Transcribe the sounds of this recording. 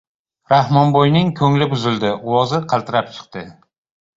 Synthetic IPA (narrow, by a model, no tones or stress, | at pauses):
ɾahmɒnbojnɪŋkʰɵŋlɪbʊzɪld̪ɪʊwɒzɪqʰɑlˠt̪ʰɪɾap̚t͡ʃʰɨ̥qt̪ɪ